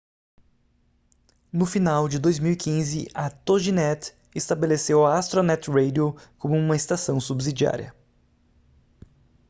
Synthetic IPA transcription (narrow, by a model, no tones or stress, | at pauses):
nʊfinawd͡ʒɪd̪ojzmiwikĩzɪ̰ʔɐt̪oʒinɛt̪ | est̪abelesewɐast̪ɾonɛt̪ʁejd̪iokõmʊũmɐest̪asɐ̃w̃subzid͡ʒia̰ɾʲiɐ̰